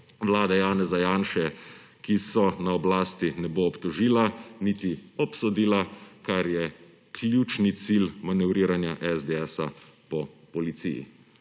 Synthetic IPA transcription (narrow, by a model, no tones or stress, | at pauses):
ʋlaːd̪ajaːnɛzajaːnʃɛ | kisɔnaɔblaːst̪inɛboːpt̪ɔʒiːlanit̪iɔpsɔd̪iːlakaɾjɛ | kʰlʲjut͡ʃnit̪silmanɛʋɾiːɾanjaʔɛzd̪eɛsa̰ | pɔpɔlit̪sḭjḭ